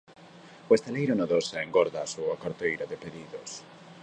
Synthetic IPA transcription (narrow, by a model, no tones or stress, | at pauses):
oest̪elejɾʊnoðosaeŋɡɔɾðaːsuakaɾt̪ejɾaðepeðiðos